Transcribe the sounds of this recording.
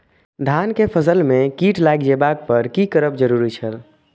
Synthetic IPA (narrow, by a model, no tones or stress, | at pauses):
d̪ʱankepʰəsəlmekiʈlajɡd͡ʒebak̚pəɾkikəɾəpd͡ʒəɾuɾit͡ʃʰəl